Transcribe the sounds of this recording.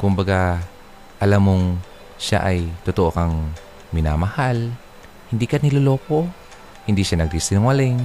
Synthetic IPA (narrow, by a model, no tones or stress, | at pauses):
kʊmbaɡa | ʔalamoŋ | ʃa̰ʔajt̪ʊt̪oʔokaŋ | mɪnamahal | hɪnd̪ikanɪloloːko | hɪnd̪iʃanɐɡ̚d̪isɪnʊŋwalɪŋ